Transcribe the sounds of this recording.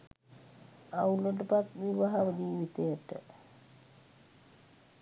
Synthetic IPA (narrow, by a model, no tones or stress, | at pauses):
auləʈ̬əpat̪ʋiʋaɦaʋəd͡ʒiːʋit̪ejəʈə̰